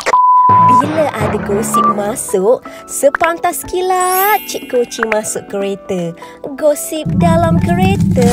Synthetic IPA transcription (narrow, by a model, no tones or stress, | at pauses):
biləʔadaɡosip̚mãsʊʔ | səpant̪askilat͡ʃiʔ̚kot͡ʃimãsʊʔkəɾet̪ə | ɡosip̚dalamkəɾet̪ə